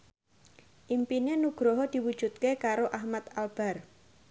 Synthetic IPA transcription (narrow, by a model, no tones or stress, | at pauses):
ʔimpinenuɡ̥ɾɔɦɔd̪̥i̤wud̥ʒ̥ṳt̪̚kekaɾoʔahmat̪alb̥a̤r